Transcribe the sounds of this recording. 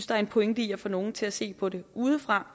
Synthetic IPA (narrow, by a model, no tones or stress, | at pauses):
sd̥ɑæɐe̝npʰoeŋd̥ḭɐfɒno̝ːn̩t͡sʰe̝læse̝̰ːpʰɒ̽ɾe̝uːð̞ˠəfʁɑ̈